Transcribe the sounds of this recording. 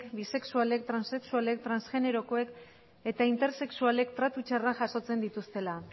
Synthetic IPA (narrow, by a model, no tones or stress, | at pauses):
kbise̞ksuale̞k̚t̪ɾanse̞ksuale̞k̚t̪ɾansʝe̞ne̞ɾo̞ko̞ek | e̞t̪aint̪e̞ɾse̞ksuale̞kt̪ɾat̪ut͡ʃaraʝaso̞t͡se̞nd̪it̪ust̪e̞la